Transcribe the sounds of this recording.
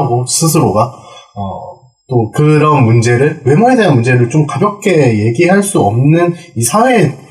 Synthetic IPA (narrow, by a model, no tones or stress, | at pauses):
ɡosʰɯsʰɯɾoɡaʌ | t͈okɯɾʌnmund͡ʑe̞ɾɯɭwe̞moe̞de̞ɦanmund͡ʑe̞ɾɯɭt͡ɕomkabjʌk̚k͈ʰe̞je̞ɡiɦaɭs͈uʌmnɯnisʰawe̞ː